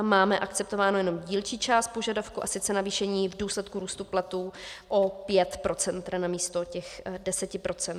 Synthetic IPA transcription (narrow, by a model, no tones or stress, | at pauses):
maːmɛʔakt͡sɛp̚t̪o̞vaːno̞jɛnomɟiːlt͡ʃiːt͡ʃaːst̪̚po̞ʒadafkuʔasɪt͡sɛnaviːʃɛɲiːvduːslɛt̪kuɾuːst̪uplat̪uːʔopjɛt̪pɾo̞t͡sɛnt̪ɾanamiːst̪o̞cɛxdɛsɛcɪpɾo̞t͡sɛnt̪